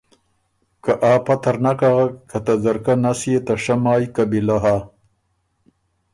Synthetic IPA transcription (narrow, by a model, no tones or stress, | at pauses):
kaʔaːpat̪ɐɾnakaɣakat̪azɐɾkanasijet̪aʂamaːjkabilaɦa